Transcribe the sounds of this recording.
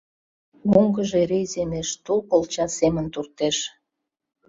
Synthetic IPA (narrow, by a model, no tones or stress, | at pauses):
moŋɡəʒeɾejzemeʃt̪ulpolt͡ɕɑsemənt̪urt̪eʃ